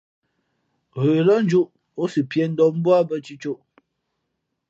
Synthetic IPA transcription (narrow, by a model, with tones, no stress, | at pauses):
ɣə˨lə˦n̩˦d͡ʒu˦ʔ | o˦sɨ˨pjɛ˨n̩˦dɔ˦m˦bwa˦bə˦t͡ʃi˦t͡ʃo˦ʔ